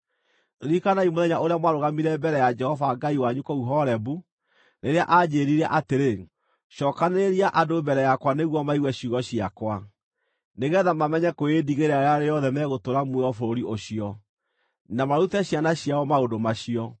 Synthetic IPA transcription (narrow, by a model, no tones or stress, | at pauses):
ɾikanaimoðɛɲaʔoɾeamwaɾoɣamiɾɛbɛɾɛjad͡ʒɛhɔvaɡaiwaɲukɔuɦɔɾɛbu | neɾeaʔad͡ʑeːɾiɾɛʔateɾe | ʃɔːkaneɾiaʔadobɛɾɛjakwaneɣwɔmaiɣwɛɕuɣɔɕiakwa | neɣɛðamamɛɲɛkoediɣeɾaeɾaɾejɔðɛmɛːɣotoɾamweɔfoɾoɾioɕiɔ | namaɾutɛɕjanaɕjaɔmaodomaɕiɔ